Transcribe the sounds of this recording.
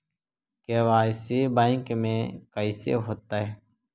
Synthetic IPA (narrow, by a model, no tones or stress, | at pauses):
keʋaːsibaɪŋkmẽkəisḛɦoːt̪aɦɛː